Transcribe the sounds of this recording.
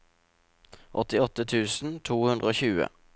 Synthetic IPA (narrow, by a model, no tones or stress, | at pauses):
ʔɔt̪ɪɔt̪ːət̪ʰʉːsn̩t̪ʰuːhʉnd̪ʁəoːçʉːə̰